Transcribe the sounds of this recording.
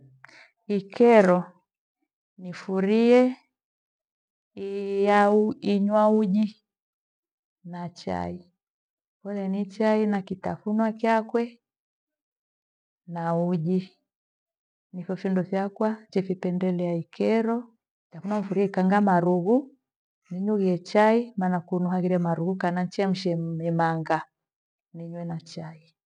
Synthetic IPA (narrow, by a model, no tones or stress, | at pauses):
ikʰɛɾɔ | nifuɾiɛ | ijauiɲwauʄi | nat͡ʃa̰i | kɔlɛnit͡ʃainakitafunwakjakwɛ | nauʄi | nifɔfundɔfjakwat͡ʃɛfipɛndɛlɛaikɛɾɔ | kitafunwam̩fuɾiaikaŋɡamaɾuɣu | niɲuɣiɛt͡ʃaimanakunuɦaɣiɾiamaɾuɣukanan̩t͡ʃiam̩ʃɛmɛmaŋɡa | niɲwɛnat͡ʃai